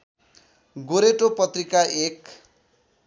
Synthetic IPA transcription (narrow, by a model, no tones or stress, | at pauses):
ɡoɾeʈopʌt̪rikaʔek